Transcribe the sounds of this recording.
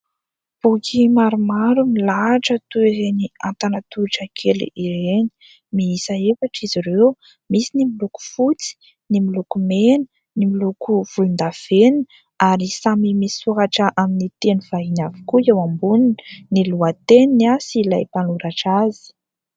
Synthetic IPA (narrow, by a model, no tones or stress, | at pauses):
b̥ukʰimaɾumaɾumilaʈ͡ʂət̪ueɦeniant̪anat̪uʈ͡ʂəkʰelṵʔiɾeni̥ | miisaefaʈ͡ʂiziɾew | misinimiluku̥fut͡si̥ | nimilukumenə | nimilukuv̥ulund̪av̥en | aɾisamimisuɦaʈ͡ʂəʔaminit̪enuvainavi̥kuewambuninəniluat̪eninasilajpanuɾaʈ͡ʂazi̥